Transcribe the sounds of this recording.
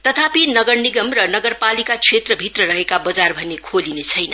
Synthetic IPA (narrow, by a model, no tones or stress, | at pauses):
t̪ʌt̪ʰapinʌɡʌrniɡʌmrʌnʌɡʌrpalikat͡sʰet̪rʌbʱirʌɾʌɦekabʌd͡zarbʱʌnekʰolinet͡sʰʌjnʌ